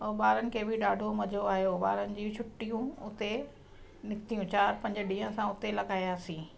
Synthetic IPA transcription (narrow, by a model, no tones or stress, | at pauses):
oɓaːɾənɪ̆kʰeːbɪɗaːɖʱomɐd͡ʑʱoaːɦjoɓaːɾənɪ̆d͡ʑiːt͡ɕʰʊʈːijũʊt̪e | nɪkt̪ijũt͡ɕaːɾpɐ̃ɲd͡ʑ̆ɖĩːɦə̃sãʊt̪elɐɠaːijaːsĩː